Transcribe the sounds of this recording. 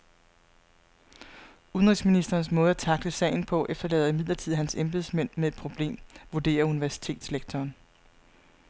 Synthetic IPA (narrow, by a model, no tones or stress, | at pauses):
uðənʁisminisd̥ɐːnsmɔ̽ːðˠæt͡sʰɑ̈ɡ̥̚d̥əsɛ̰ɪn̩pʰɒ̽ʔefd̥ɐlɛ̰ːðˠimið̰ˠlˠɐt͡sʰið̞̰ˠɦænsemb̥esmen̰mee̝d̥̚pʰʁo̝b̥le̝̰ːmʋuɐd̥e̝̰ːɐuniʋæɐsi̥t͡sʰe̝̰ːd̥sleɡ̥̚t͡sʰɒːn